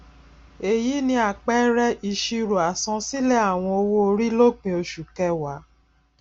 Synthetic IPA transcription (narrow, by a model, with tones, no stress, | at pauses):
e˨jiː˨˦nĩ˧˦a˨k͡pɛ˦ɾɛ˦ʔi˧ʃi˧ɾo˨a˨sɔ̃˧si˦lɛ˦a˦˨w̃ɔ̃˧o˧wo˦o˧ɾi˦lo˦k͡pĩ˧o˧ʃu˨kɛ˦wa˨˦